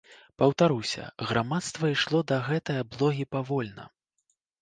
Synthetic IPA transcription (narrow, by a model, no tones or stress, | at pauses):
pɐwt̪aɾuwsʲɐ̰ɣɾamat̪st̪vɐiʂlˠɔd̪ɐɣɛt̪ɐjɐblˠɔɣʲipavɔlʲnɐ̰